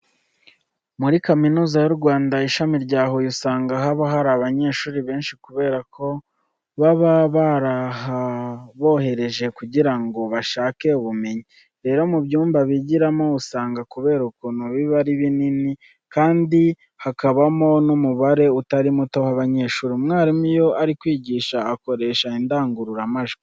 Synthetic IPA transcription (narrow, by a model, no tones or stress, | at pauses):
muɾikaminuːzajuɾɡwaːndaiʃamiɾɟaːɦo̞jusaːŋɡaɦaβaɦaɾaβaɲe̞ːʃuːɾiβe̞ːnʃikuβe̞ːɾakʰo̞ | βaβaβaɾaɦaβo̞ːhe̞ɾe̞ʒe̞kuɟiɾaŋɡo̞βaʃaːke̞uβume̞ɲi | ɾe̞ːɾo̞mubjuːmbaβiɟiɾamo̞usaːŋɡakuβe̞ːɾukonoβiβaɾiβinini | kaːndi | hakaβamo̞numuβaɾe̞utaɾimuto̞haβaɲe̞ːʃuːɾimŋaːɾimijo̞aɾikwiːɟiːʃaːko̞ɾe̞ːʃaindaːŋɡuɾuɾamaʒ